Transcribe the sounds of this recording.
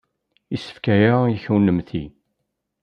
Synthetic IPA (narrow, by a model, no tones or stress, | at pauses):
isə̥fkæjajçwnəmθḭ